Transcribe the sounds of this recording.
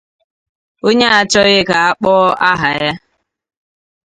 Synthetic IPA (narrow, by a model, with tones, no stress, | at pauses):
o˦ɲe˦a˨t͡ʃɔ˦ɣɪ˦ka˨a˦k͡pɔ˦a˦ɦa˨ja˦